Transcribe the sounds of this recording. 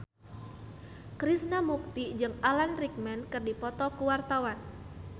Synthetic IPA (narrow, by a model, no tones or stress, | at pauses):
kɾisnamuk̚t̪id͡ʒɨŋalanrik̚mɛnkɨrdipɔt̪ɔkuwart̪awan